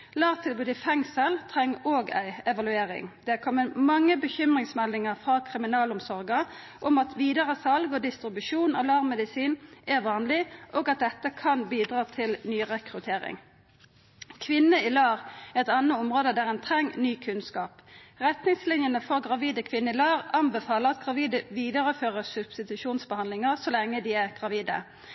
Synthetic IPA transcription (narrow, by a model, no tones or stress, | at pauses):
lɑːʁt̪ʰɪlbʉːd̪ɪfɛŋsəlt̪ʰʁɛŋːoːɡæ̰ɪɛʋɑlʉeːʁɪ̰ŋd̪̥ɛæʁkʰɔmːəmɑŋːəbəçʏmʁɪŋsmɛlɪŋəʁfʁɑkʰʁɪmɪnɑːlʊmsɔʁɡə | ʔɔmɑt̪ʰʋiːd̪əʁəsɑlɡɔd̪ɪst̪ʁɪbʉʂuːnɑlɑʁmmɛd̪ɪsiːnɛʁʋɑːnlɪʔoːɡɑt̪̚d̪ɛt̪ːəkʰɑnbiːd̪ʁɑːt̪ʰɪlnyːʁɛkʁʉt̪ʰeːʁɪ̰ŋ | kʰʋɪnːəɪlɑːʁɛʁɛt̪ɑnːəʊmʁoːd̪əd̪æːʁɛnt̪ʰʁɛŋːnyːkʰʉnskɑːpʁɛt̪nɪŋslɪnjənəfɔʁɡʁɑʋiːd̪əkʰʋɪnːəɪlɑːʁɑmbɛfɑːləʁɑt̪ɡʁɑʋiːd̪əʋiːd̪əʁəføːʁəsʉb̥st̪ɪt̪ʉʃuːnsbəhɑnd̪lɪŋəʁsɔlɛŋːəd̪iːæʁɡ̥ʁɑʋiːd̪ə̰